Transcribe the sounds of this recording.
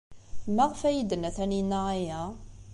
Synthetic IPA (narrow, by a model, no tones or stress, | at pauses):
mæʁfæjid̪ənːæθæninːaajæ